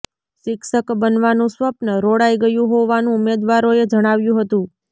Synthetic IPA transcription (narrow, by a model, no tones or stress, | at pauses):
ʃɪkʃəkbənʋanũsʋəpnəɾoɽajɡəjũɦoʋanũːmed̪ʋaɾoed͡ʒəɽ̃aʋjũɦət̪ũ